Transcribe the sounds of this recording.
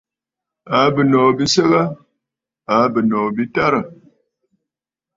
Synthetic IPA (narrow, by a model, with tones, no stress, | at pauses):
a˨˦bə˨nɔː˨bi˦sə˦ɣa˦ | a˨˦bə˨nɔ˨bi˦ta˦ɾə˨